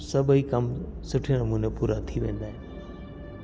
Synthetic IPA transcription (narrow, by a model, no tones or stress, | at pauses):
sɐbʱikɐmsʊʈʰiənɐmunepuːɾat̪ʰiʋẽːn̆d̪aːɦɪ̃